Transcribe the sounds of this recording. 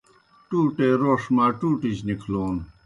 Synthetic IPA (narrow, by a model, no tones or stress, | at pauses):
ʈuːʈeːɾoːʂmaːʈuːʈit͡ɕnikʰloːn